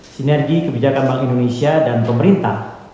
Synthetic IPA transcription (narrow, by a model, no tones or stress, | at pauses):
sinɛrɡikəbid͡ʒakanbaŋindonesiadanpəməɾint̪a̰h